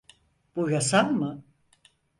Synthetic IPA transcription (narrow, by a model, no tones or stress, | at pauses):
b̥ujasammɯ